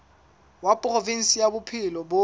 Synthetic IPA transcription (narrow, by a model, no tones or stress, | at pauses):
wapʼrovin̩sijabʊpʰɪlɔbo